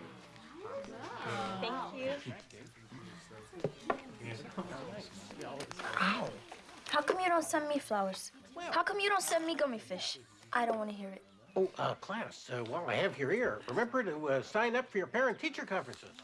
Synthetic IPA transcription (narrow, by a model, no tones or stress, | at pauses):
θæ̃ŋkjʉ | ʔaʊ | haʊkʰʌ̃mjɨɾõʊ̃ntsɛ̃nmiflaʊə˞z̥ | haʊkʰʌ̃mjɨɾõʊ̃ntsɛ̃nmiɡomifɪʃ | ʔaɪɾõʊ̃nʔwɑ̃nʰɨɦiɹɪt̚ | oʊʔʌkʰl̥æswaɪlaɪɨvjə˞ɪɹɹɨmɛ̃mbə˞ɾɨʌsãɪ̃nʌpfə˞jə˞pʰɛɹɨ̃ntʰit͡ʃə˞kʰɑ̃ɱfɹɨ̃nsɪ̰z̥